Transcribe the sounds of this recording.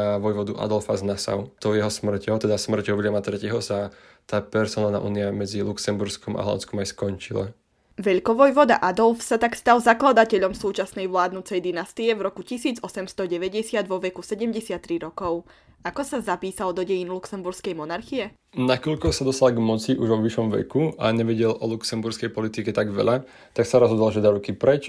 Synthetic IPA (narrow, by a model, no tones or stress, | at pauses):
aʋɔjʋɔd̪uʔa̰d̪ɔlfaznasa̰ʊt̪ɔjɛɦɔsmr̩cɛɦɔt̪ɛd̪asmr̩cɔʋlɛmat̪ɾɛcɛɦɔsa | t̪aːpɛɾsɔnalna̰ʔṵːniamɛd͡ziluksɛmbuɾskɔma̰ɦɔa̰nt͡skɔmajskɔnt͡ʃila̰ | ʋɛʎkɔʋɔjʋɔd̪a̰ʔad̪ɔlfsat̪akst̪alzaklad̪acɛʎɔmsuːt͡ʃasnɛjʋlaːd̪nut͡sɛjd̪inast̪iɛvɾɔkucisiːd͡zɔsɛmst̪ɔɟɛʋɛɟɛsɪad̪ʋɔʋɛkusɛɟɛmɟɛsɪat̪ːɾiɾɔkɔʊ | akɔsazapiːsald̪ɔɟɛjinluksɛmbuɾskɛjmɔnaɾxiɛ | nakɔʎkɔʊsad̪ɔst̪alaɡmɔt͡siʔuʒʋɔʋiʃɔmʋɛ̰kuaɲɛʋɛɟɛlʔɔluksɛmbuɾskɛjpɔlit̪ikɛt̪aɡʋɛ̰ʎa | t̪aksaɾɔzɦɔd̪ɔlʒɛd̪aɾukipɾɛt͡ʃ